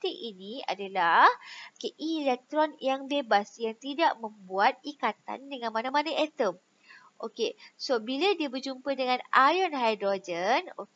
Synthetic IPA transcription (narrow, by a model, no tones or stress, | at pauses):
t̪iʔinĩa̰dalahkeʔilɛk̚t̪ɾɔnjaŋbebasjaŋt̪idaʔmə̃mbuat̪̚ikat̪a̰ndəŋãnmanãmanaʔɛt̪əm | ʔokesobiladiəbərd͡ʒumpədəŋãnajɔnɦajdɾɔd͡ʒəno